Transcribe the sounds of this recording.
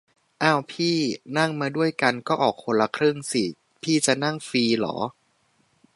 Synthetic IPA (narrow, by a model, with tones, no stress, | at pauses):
ʔaː˧˥˩wpʰiː˥˩na˥˩ŋmaː˧du˥˩əjka˧nkɔː˥˩ʔɔː˨˩k̚ʰːo˧nla˧kʰɾɯ˥˩ŋsi˨˩ | pʰiː˥˩t͡ɕa˨˩na˥˩ŋfiː˧lɔ̰ː˩˦